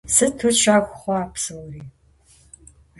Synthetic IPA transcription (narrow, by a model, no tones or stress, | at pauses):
sɨtʰʊt͡ʃʰaːxʷχʷɔaːpsɨwriː